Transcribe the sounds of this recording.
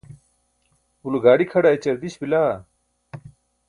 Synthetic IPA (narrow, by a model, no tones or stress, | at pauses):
uluɡaːɽikʰɐɽaːit͡ɕɐɾd̪iɕbilaː